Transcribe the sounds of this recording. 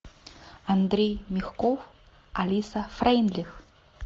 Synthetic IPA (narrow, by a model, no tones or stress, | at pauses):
and̪ɾʲejmʲixkov | alʲisafrajinlʲix